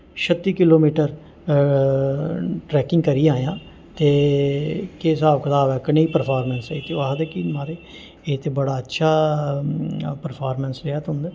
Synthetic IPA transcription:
ʃət̪ːiːkɪloːmiːʈəɾ | ʈɾɛːkɪŋɡkəɾiːãːjãː | t̪eː | keːs̬aːʋkət̪aːʋɛːkəneiːpəɾpʰaːɾmɛ̃ːnset̪eaːɦd̪eːkiːmaːɾeː | eːt̪eːbəɽaːətːʃʰaː | pəɾpʰaːɾmɛːnsɾeaːt̪ɦʊ̃nd̪eː

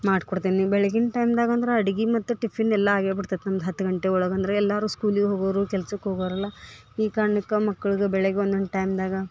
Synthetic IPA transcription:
maːɖkoɽt̪iːnnibɛɭeɡinʈɐjmd̪aːɡɐːnd̪ɐɾeɐɽiɡimɐt̪ːuʈipʰːinːɛlːɐaːɡebiɽt̪ɐjt̪nɐmɐd̪ɐɦɐt̪ːuɡɐɳʈeɔɭɐɡɐnd̪ɐɾeɛlːaːɾuːskuːliɡeɦoːɡɐʋɐɾuːkɛlsukːɦoɡɐʋɾɐlːɐ | iːkaːɾɐɳikɐmɐkːɐɭiɡebɛɭeɡeond̪onʈɐjmd̪aːɡɐ

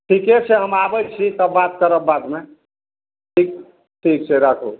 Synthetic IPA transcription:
ʈʰiket͡ʃʰeɦəmabət͡ʃʰit̪əːat̪̚kəɾək̚bad̪me | ʈʰik̚ | ʈʰikt͡ʃʰɛɾakʰo

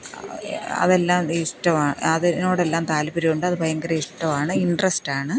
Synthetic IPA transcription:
ɐ̰ðe̞lːaːmiʂʈɐmaːɳɨɐðinoːɽe̞lːaːmt̪aːlbiɾijuɳɖɨɐðɨbʱɐjɐŋɡɐɾɐiʂʈɐʋaːɳɨiɳɖrɐsʈaːɳɨ

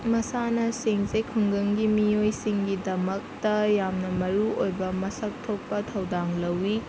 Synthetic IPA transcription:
mɐsanɐseŋzekʰɐŋɡɯŋɡimijojsiŋɡidɐmɐk̚tɐjamnɐmɐɾuojbɐmɐsɐk̚tʰok̚pɐtʰɐwdaŋlɐwːi

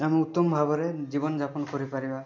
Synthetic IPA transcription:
amiut̪ːɔmbʱabɔɾɛzibɔnd͡ʒapɔnkɔɹipaɹiba

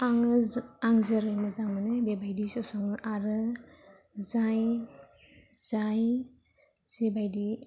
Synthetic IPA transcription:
aŋaŋzəɾɯmazaŋmanɯbebajdisɔsɔŋɯʔaɾɯ | zaj | z̥aj | z̥ebajdi

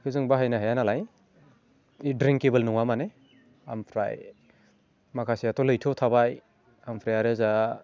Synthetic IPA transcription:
kʰɯzɯŋbaɦajnaɦajanalaj | idɾiŋkebɯlnɔŋamane | ampʰɾa̰j | makʰasijatʰɔlɯjtʰɔtʰabaj | ampʰɾajaɾɯza

